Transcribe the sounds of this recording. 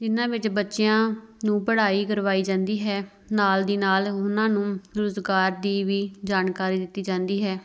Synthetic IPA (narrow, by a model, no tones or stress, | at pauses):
d͡ʒɪnãːʋɪt͡ʃbətːʃɪjãːnũːpəɽaːiːkəɾʋaːiːd͡ʒãːnd̪iːɦɛː | naːld̪iːnaːlʊnãːnũːɾʊzɡaːɾd̪iːʋiːd͡ʒaːnkaːɾiːd̪ɪt̪ːiːd͡ʒãːnd̪iːɦɛː